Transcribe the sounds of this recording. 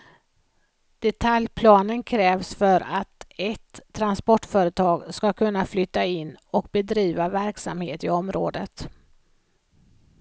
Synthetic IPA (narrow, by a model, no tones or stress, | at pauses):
d̪̥ɛt̪ʰaljpʰlɑːnənkʰɾɛːvsfœɾat̪ɛt̪ʰːɾanspɔʈːfœːɾət̪ʰɑːɡskakʰɵnːaflʏt̪ːaɪnːɔk̚bɛd̪ɾiːvavæɾksa̰mheːt̪ɪɔmɾo̰ːd̪ət̪